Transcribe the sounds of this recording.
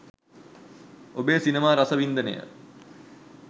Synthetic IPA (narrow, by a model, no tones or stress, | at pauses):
obeːsinemaːɾasəʋind̪ənḛjə̰